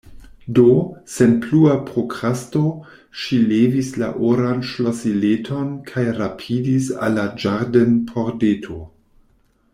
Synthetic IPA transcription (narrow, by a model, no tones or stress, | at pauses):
dosenpluapʁokʁasto | ʃilevisla̰ʔoɾand͡ʒlosiletʰo̞nkʰajɾapʰidisa̰lad͡ʒaɾdenpʰoɾdetʰo